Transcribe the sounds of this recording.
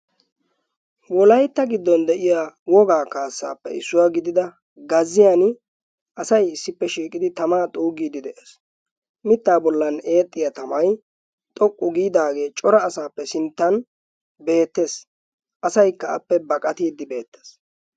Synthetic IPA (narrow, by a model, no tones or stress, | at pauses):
wɔlɐjt̪ːɐɡɪd̪ːɔnd̪ɛʔɪjaːwɔɡaːkaːsːa̰ːpːɛ̰ɪ̰sːʊwaɡɪd̪ɪd̪ɐ | ɡɐzːɪjan | ʔɐsɐjɪsːɪpːɛʃiːkʼɪd̪ɪt̪ɐmaːt̪ʼuːɡiːd̪ɪd̪ɛʔes | mɪt̪ːaːbɔlːɐne̞ːt̪ʼːɪjɐt̪ɐmɐj | t̪ʼɔkʼːʊɡiːd̪aːɡe̞ːt͡ʃʼɔɾɐːsaːpːɛsɪnt̪ːɐn | be̞ːt̪ːe̞ːs | ʔɐsɐjkːɐɐ̰pːɛbɐkʼɐt̪iːd̪ɪbe̞ːt̪ːeːs